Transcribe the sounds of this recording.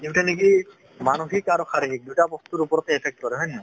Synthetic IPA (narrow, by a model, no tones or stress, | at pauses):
diʈanek̬i | manoxikaɾɔkaɾiɦik̚dutabɔst̪uɾupɔɾɔt̪ɛepʰɛk̚t̚kɔɾɛɦɔjneɔ